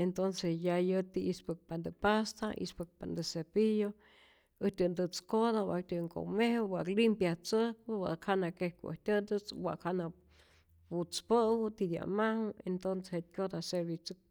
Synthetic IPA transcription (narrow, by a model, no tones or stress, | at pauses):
ent̪onsesjajɨt̪iispɨk̚pand̪ɨpast̪aḭspɨk̚pand̪ɨsepijo | ɨht̪ʲɨnd̪ɨt͡skoðawa̰ʔk̚t̪ʲɨŋko̰mehwaʔklimpjaht͡sɨhk̚ɨwa̰ʔkhanakehkɨʔɨ̰ht̪ʲɨnd̪ɨt͡swaʔkhana | put͡spəwɨt̪id̪ja̰mahɨent̪onsehet̪̚kʲod̪aseɾβit͡sɨk̚